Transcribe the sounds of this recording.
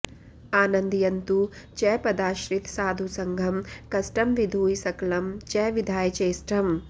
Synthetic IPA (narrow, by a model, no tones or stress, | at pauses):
aːnɐnd̪ijɐnt̪u | t͡ʃɛːpɐd̪aːʃɾit̪saːd̪ʱusɐŋɡʱɐmkɐsʈɐmʋid̪ʱuːjsɐkɐlɐmt͡ʃɛːʋid̪ʱaːjɐt͡ʃeːsʈɾɐm